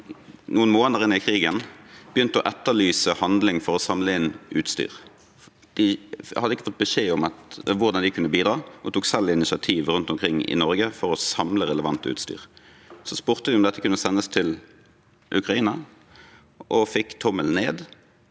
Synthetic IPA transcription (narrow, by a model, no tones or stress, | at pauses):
nuːənmoːnəʁɪnːəɪkʰʁiːɡənb̥əjʏnt̪əɔʔɛt̪ːəlyːsəhɑnd̪lɪŋfɔʁɔsɑmləɪnʉːt̪st̪y̰ːʁ | d̪̥ɪhɑd̪əɪkːəfɔt̪̚bəʃeːɔmɑt̪ʋʊʁd̪ɑnd̪ɪkʰʉnːəbiːd̪ɾɑːɔt̪ʰuːksɛlɪnɪsɪɑt̪ʰiːʋʁʉnt̪ɔmkʰʁɪŋːɪ̰nɔʁɡəfɔʁɔsɑmləʁɛləʋɑnt̪əʉ̰ːt̪st̪y̰ːʁ | sɔspʉːʁt̪əd̪ɪʊmd̪ɛt̪ːəkʉnːəsɛnːəst̪ʰɪl | ʔʉkʁɑiːnɑ | ʔɔfɪkːt̪ʰɔməlneːd̪